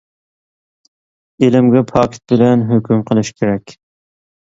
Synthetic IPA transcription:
elɪmɡʲɛpʰɑkʲt̪̚bɪlɛnɦøkʲymqʰəlˠɨʃkʲʰeɾɛkʲ

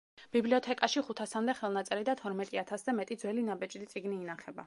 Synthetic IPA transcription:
b̥ibliɔt̪ʰɛkʼaʃiχut̪ʰasamd̪ɛχɛlˠnat̪sʼɛɾid̪at̪ʰɔɾmɛt̪ʼiat̪ʰasd̪amɛt̪ʼid̪zwɛlinabɛt͡ʃʼd̪it̪sʼiɡniːnaχɛba

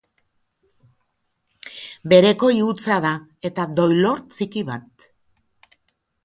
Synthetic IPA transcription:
be̞ɾe̞ko̞iut͡saðae̞t̪ad̪o̞jlo̞ɾt͡sikiβat̪̚

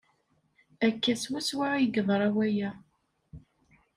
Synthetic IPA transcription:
ækːæswæswaʕjəɡðˤɾˤɑwæjæ

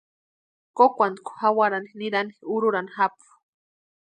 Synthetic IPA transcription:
kokʷand̪kʰu̥hawaɾaniniɾaniuɾuɾanixapu̥

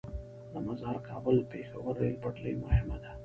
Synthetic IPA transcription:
d̪əmazaɾkɑːbʊlpexawəɾːelpaʈlḭjmʊhɪmad̪a

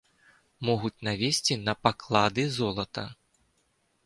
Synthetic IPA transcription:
mɔɣut͡sʲnavʲesʲt͡sʲinɐpaklˠad̪ɨzɔlˠɐt̪ɐ

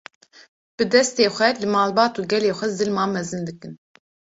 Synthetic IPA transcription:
b̥ɨd̪ɛst̪eːxʷɛlɨmɑːlbɑːt̪uːɡʲɛleːxʷɛzɨlmɑːmɛzɨnd̪ɨkɨn

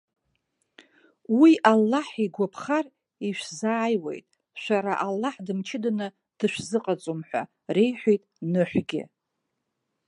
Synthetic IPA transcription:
wiʔalːaħiɡʷapʰχar | iʃᶣʷzaːjwḛjtʼ | ʃʷaɾaʔalːaħdɨmt͡ʃʰɪdanɨ | d̥ɨʃʷᶣzɨqʼat͡sʼomħʷa̰ | re̞jħʷᶣijtʼnɨħʷɡʲɪ̰

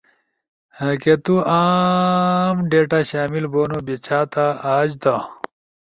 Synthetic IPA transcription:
ket̪ua | mɖeːʈaɕaːmilboːnubit͡ɕʰaːt̪aaːd͡ʑd̪a

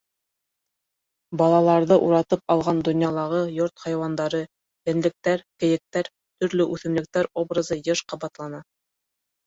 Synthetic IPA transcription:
bɑlˠɑlˠɑɾðɤʔuɾɑt̪ɤpɑlˠʁɑnd̪ŏnjɑlˠɑʁɤjoɾt̪χɑjwɑnd̪ɑɾɤ | j̪æ̆nlɘ̆k̚t̪æɾkɘ̆jɘ̆k̚t̪æɾ | t̪ɵ̆ɾlɵʔʉθɘ̆mlɘ̆k̚t̪æɾobrɤzɤjɤʃqɑβɑt̪lˠɑnɑ

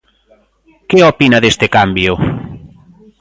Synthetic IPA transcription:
keopinɐðest̪ɪkambjʊ

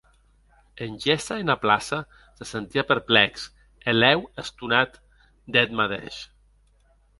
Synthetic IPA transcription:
enʲʒɛst̪aenaplasa | sesent̪iapəɾplɛks | elɛwest̪unat̪ | d̪ɛt̪maðḛʃ

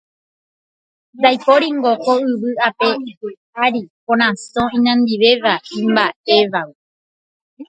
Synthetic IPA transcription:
dajpoɾiŋɡokoɨʋɨape̞pɨ | aɾipõɾ̃ãsõĩnãnd̪iʋe̞ʋaĩmbaʔe̞ʋaɨ

